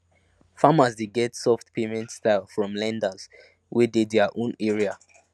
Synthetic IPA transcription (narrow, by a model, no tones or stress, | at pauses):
famazdeɡɛtsɔftpʰemɛ̃ntstaɪlˠfɹɔ̃mlɛ̃ndəz̥ | wididðɛʔõnɛɹia